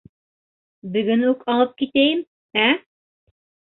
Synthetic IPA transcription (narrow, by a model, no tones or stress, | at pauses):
bɵ̆ɡɵnʉkɑlˠɤp̚kit̪æjɘm | æ